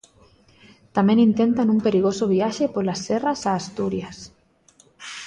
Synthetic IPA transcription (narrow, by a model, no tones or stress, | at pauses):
t̪amẽŋint̪ent̪anumpeɾiɣosoβ̞iaʃepolasːɛrasaːst̪uɾjas